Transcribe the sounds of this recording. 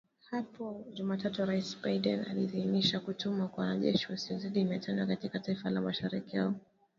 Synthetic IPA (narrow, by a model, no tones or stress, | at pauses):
hapɔʄumatatuɾaisbaiɗɛna̰liðiiniʃakutumakwawanaʄɛʃiwasiɔziɗimɛtʰandwakatikataifalamaʃaɾikihaɔ